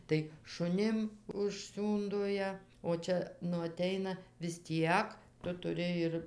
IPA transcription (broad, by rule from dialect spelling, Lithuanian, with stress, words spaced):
tɐɪ ʃʊˈnʲɪm ʊʃʲˈsʲuːndoː ˈjiɛ oː ˈt͡ʃʲɛ nʊ ɐˈtʲɛɪnɐ ʋʲɪs ˈtʲiɛk ˈtʊ tʊˈrʲɪ ɪr